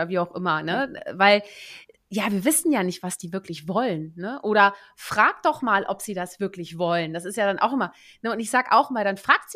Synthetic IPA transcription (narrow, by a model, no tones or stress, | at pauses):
ɐviːaʊxʔɪmɐnəvaɪl | jaːviːɐvɪsn̩jaːnɪçtv̥asd̥iːvɪɐklɪçv̥ɔlənːəʔoːɾɐ | fʁ̥aːk̚d̥ɔχmaːlʔɔpz̥iːdasv̥ɪɐklɪçv̥ɔlənd̥asɪstjaːdanʔa̰ʊxʔɪmɐ | nəʊntɪçz̥aːɡəʔa̰ʊxmaːldanfʁ̥aːk̚tz̥i